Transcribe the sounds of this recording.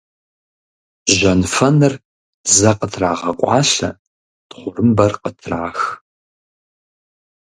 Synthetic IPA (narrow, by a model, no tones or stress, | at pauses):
ʒɐnfɐnɨr | zɐqətʰraːʁɐkʷʼɑːɬɐ | tχʷʊrɨmbɐrqətʰraːx